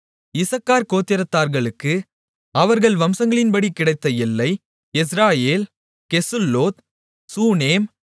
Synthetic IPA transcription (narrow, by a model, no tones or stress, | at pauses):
ɪsɐkːaːɾkoːt̪ːɪɾɐt̪ːaːɾɣɐɭɯkːɯ | ɐʋɐɾɣɐɭʋɐmsɐŋɡɐɭɪnpɐɽikːɪɽɐɪt̪ːɐjɪlːɐɪ | ɛs̬ɾaːjeːl | kɛsɯlːoːt̪ | suːneːm